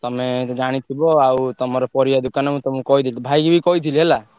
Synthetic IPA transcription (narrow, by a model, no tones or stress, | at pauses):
t̪ɔmẽd͡ʒaɽ̃it̪ʰibɔaut̪ɔmɔɾɔpɔɾijad̪ʊkanamũt̪ɔmũkɔid̪ʰʱilt̪ɔbʱajɡibʱikɔid̪ʰilɦela